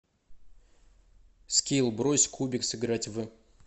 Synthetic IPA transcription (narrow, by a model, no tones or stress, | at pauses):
skʲilˠbɾosʲkubʲɪksɨɡɾatʲvɨ